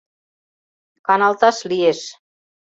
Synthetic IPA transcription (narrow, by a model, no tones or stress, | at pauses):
kɑnɑlt̪ɑʃlieʃ